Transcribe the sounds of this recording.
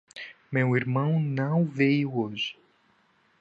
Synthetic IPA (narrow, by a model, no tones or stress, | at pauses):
mewiɾmɐ̃w̃nɐ̃w̃vejʊoʒɪ̥